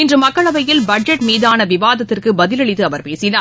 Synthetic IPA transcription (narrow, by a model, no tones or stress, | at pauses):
ɪndrɯmːɐkːɐɭɐʋɐjɪlbɐɖ̚d͡ʒɐʈmiːðaːnɐʋɪʋaːðɐt̪ːɪrkɯbɐðɪlɐɭɪt̪ːɯɐʋɐɾpeːsɪnaː